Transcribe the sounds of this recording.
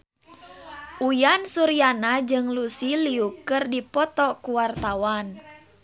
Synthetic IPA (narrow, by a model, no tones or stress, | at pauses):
ʔujansuɾianad͡ʒɨŋlusiliukɨrdipɔt̪ɔkuwart̪awan